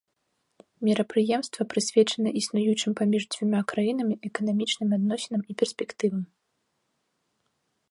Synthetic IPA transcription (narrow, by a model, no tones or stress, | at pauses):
mʲiɾɐpɾɨjɛmst̪vɐpɾɨsʲvʲɛt͡ʂɐnɐʔisnujut͡ʂɨmʲpamʲiʐd͡zʲvʲumʲakɾajin̪ɐmʲiʔɛkɐnamʲit͡ʂnɨmʲad̪nɔsʲɛnɐmipʲɛrsʲpʲɛkt̪ɨvɐmʲ